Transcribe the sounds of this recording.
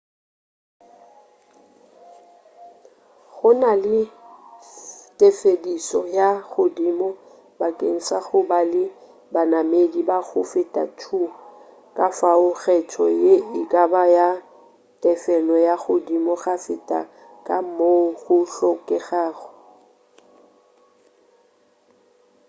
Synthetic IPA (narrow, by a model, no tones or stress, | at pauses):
ɣʊnalɪ | tʼefedisɔjaɣʊdiːmɔ | bakʼeŋ̩saɣʊbalɪ | banamedibaɣʊfɪtʼa̰tʰu | kʼafaʊɣɛtʰɔ̰jeɪkʼabaja | tʼɛfɛlɔjaɣʊdimɔɣafɪtʼa̰ | kʼam̩moɣʊɬɔkʼɛɣaːɣɔ̥